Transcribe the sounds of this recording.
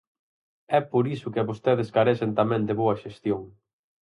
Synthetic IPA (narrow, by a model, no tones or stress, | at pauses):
ɛpoɾisʊkɪaβost̪eðeskaɾesent̪amɛ̃nd̪eβoɐʃest̪joŋ